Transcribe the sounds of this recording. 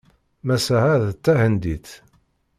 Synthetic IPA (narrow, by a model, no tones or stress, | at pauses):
mæsæhæðət͡s̪ːæhənd̪iθ